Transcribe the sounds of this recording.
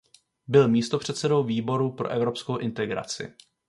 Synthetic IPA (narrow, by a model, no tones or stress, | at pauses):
bɪlmiːst̪o̞pr̝̥ɛt̪sɛdo̞wviːbo̞ɾupɾo̞̰ʔɛvɾo̞pskowʔɪnt̪ɛɡɾa̰t͡sɪ̰